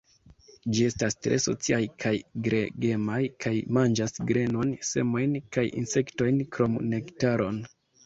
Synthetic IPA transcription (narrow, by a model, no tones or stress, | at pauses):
d͡ʒie̞stastɾe̞so̞̰t͡siajkʰajɡɾeɡe̞majkʰajmand͡ʒasɡɾe̞no̞nse̞̰mo̞jnkajḭnse̞kto̞jnkɾo̞mne̞ktaɾo̞n